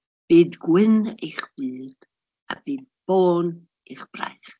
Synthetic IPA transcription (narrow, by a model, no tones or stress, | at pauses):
b̥iːdɡwɪniχb̥iːd̥ | a̰b̥iːd̚b̥oːn | iχb̥ra̰jχ